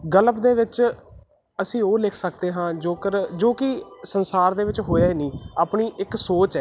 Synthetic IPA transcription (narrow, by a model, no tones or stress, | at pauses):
ɡələpd̪eːʋɪt͡ʃ | əsĩːoːlɪkʰsəkd̪eːɦãːd͡ʒoːkəɾd͡ʒoːkɪsənsaːɾd̪eːʋɪt͡ʃɦoːjaːeːnĩːaːpɳiːʔɪksoːt͡ʃɛː